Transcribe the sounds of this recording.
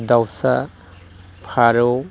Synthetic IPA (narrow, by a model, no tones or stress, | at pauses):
dawsa | pʰaɾo